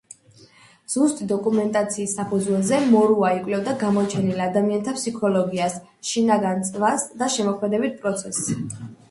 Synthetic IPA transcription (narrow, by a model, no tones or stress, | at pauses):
z̥ust̪ʼid̪ɔkʼumɛnt̪ʼat̪sʰiːsːapʰud̪zwɛlˠzɛmɔɾuaikʼwlɛbd̪aɡamɔt͡ʃʰɛnilad̪amiant̪ʰapsikʰɔlɔɡias | ʃinaɡant̪sʼvasd̪aʃɛmɔkʰmɛd̪ɛbit̪̚pʼɾɔt̪sʰɛsː